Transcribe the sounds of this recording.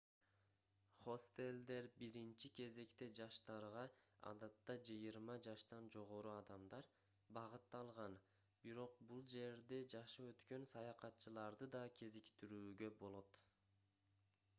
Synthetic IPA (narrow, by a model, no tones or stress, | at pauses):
χo̞st̪e̞lʲd̪e̞ɾbiɾint͡ʃike̞ze̞kt̪e̞d͡ʒɑʃt̪ɑɾʁɑɑ̰d̪ɑt̪ːɑd͡ʒɯjɯɾmɑd͡ʒɑʃt̪ɑnd͡ʒo̞ʁo̞ɾuɑd̪ɑmd̪ɑɾ | bɑʁɯt̪ːɑlˠʁɑn | biɾo̞q̚bulˠd͡ʒe̞ɾd̪e̞d͡ʒɑʃɯø̞t̪kø̞nsɑjɑqɑt̪t͡ʃɯlˠɑɾd̪ɯd̪ɑkʲʰe̞zikt̪iɾyːɡø̞bo̞lˠo̞t̪